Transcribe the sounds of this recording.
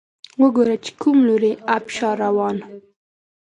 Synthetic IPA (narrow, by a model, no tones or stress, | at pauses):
wəɡoɾat͡ʃe̥kumloɾeapʃɑɾawɑn